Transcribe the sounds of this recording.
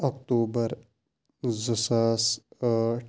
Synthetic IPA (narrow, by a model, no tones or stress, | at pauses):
ɔkʈoːbəɾ | zəsaːs